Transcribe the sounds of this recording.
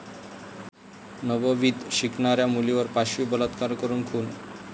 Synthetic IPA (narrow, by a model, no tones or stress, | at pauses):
nəʋəʋit̪ɕiknaɾjamuliʋəɾpaɕibələt̪kaɾkəɾuːnkʰun